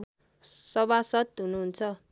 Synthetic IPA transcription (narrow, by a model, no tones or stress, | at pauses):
sʌβasʌt̪ɦunuɦunt͡sʰʌ